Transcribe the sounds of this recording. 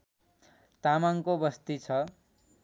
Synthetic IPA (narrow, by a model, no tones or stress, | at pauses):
t̪amaŋkobʌst̪it͡sʰʌ